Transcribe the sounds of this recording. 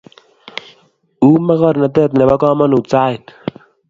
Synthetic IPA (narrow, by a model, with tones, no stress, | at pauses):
uː˦ma˦ɣɔ˦ɾna˨t̪ɛ˦˨t̪nɛ˨ba˦kɔː˦ma˦nu˨t͡saː˦ɪ˨n